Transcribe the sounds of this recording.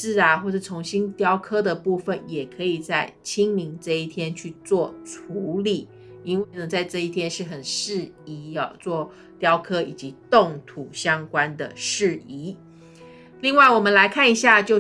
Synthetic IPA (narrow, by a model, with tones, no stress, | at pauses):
a˨˩xwɔ˥˩ʈ͡ʂ̩˥˩t͡sʰʊ˧˥ŋɕi˥nt̪jɑ˥ʊkʰɤ˥d̪ə˨pu˥˩fə˨˩njɛ˨˩kʰɤ˧˥i˨˩t͡sa˥˩ɪt͡ɕʰi˥ŋmi˧˥ŋʈ͡ʂɤ˥˧i˥˩t̪ʰjɛ˥nt͡ɕʰy˥˧t͡swɔ˥˩ʈ͡ʂʰu˧˥li˨˩˦ | i˥nwe˥˩ɪnə˩t͡sa˥˧ɪʈ͡ʂɤ˥˧i˥˩t̪ʰjɛ˥nʂɻ̩˥˩xə˨˩nʂɻ̩˥˩ | i˧˥˨t͡swɔ˥˩ | t̪jɑ˥ʊkʰɤ˥i˨˩t͡ɕi˧˥t̪ʊ˥˩ŋt̪ʰu˨˩ɕjɑ˥ŋkwa˥nd̪ə̰˨ʂɻ̩˥˩i˧˥ | li˥˧ŋwa˥˩ɪwɔ˨˩mə˨˦nla˧˥ɪkʰa˥˩ni˧˥ɕja˥˧t͡ɕjo˥˧ʊ